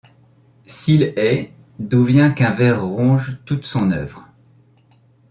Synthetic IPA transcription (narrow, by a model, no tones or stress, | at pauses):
silɛ | d̪uvjɛ̃kɛ̃vɛʁːɔ̃ʒt̪ut̪sɔ̃nœ̰vʁ